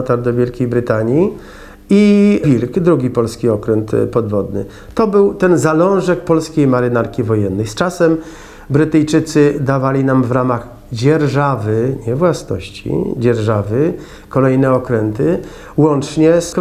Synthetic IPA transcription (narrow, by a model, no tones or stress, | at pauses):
t̪aɾd̪ɔvʲjɛlkʲejbɾɘt̪aɲi | ivʲilkd̪ɾuɡʲipɔlskʲiɔkɾɛnt̪pɔd̪vɔd̪nɘ̰ | t̪ɔbɘwt̪ɛnzalɔ̃w̃ʐɛk̚pɔlskʲejmaɾɘnaɾkʲivɔjɛnːɛjst͡ʂasɛm | bɾɘt̪ɛjt͡ʂɘt̪sɘd̪avalʲinamvɾamaɣ | d͡ʑɛɾʐavɘɲɛvwasnɔ̰ɕt͡ɕḭd͡ʑɛɾʐavɘ | kɔlɛjnɛɔkɾɛnt̪ɘ | wɔnt͡ʂɲɛsk